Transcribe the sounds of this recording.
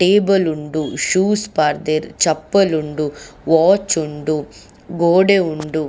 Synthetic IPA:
ʈeːbɐluɳɖuʂuːspaːɾd̪eɾt͡ʃɐpːɐluɳɖuʋaːt͡ʃuɳɖu | ɡoːɽeuɳɖu

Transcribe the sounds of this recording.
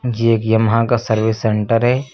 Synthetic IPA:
d͡ʒeeːkjɐmɦãkasɐɾʋɪsːẽɳʈəɾɦɛː

